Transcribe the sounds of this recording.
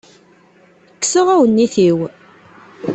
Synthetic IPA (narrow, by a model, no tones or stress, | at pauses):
əkːsəʁæwənːiθiw